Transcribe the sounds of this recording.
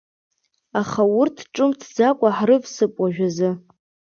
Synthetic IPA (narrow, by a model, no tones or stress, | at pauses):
aχawʊrtʰʈ͡ʂʼɨmtʰd͡zakʷʼaħrɨvsɨpʷʼaʒᶣazɨ